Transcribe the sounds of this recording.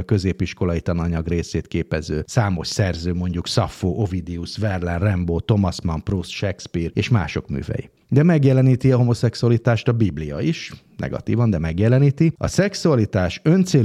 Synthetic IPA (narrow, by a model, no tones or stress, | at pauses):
kø̞zeːpiʃko̞lɒit̪ɒnɒɲɒɡreːseːt̪keːpɛzø̰ːsaːmo̞ʃsɛrzøːmo̞ɲɟuksɒfoːʔo̞vid̪iusvɛrlɛnrɛmboːt̪o̞mɒsmɒmprusʃɛkspiːreːʃmaːʃo̞kmy̰ːvɛ̰jḭ | d̪ɛmɛɡjɛlɛniːt̪iɒɦo̞mo̞sɛksuɒlit̪aːʃt̪ɒbiblijɒ̰iʃnɛ̰ɡɒ̰t̪ḭːvɒnd̪ɛmɛɡjɛlɛniːt̪iɒ̰sɛksuɒlit̪aːʃønt̪seː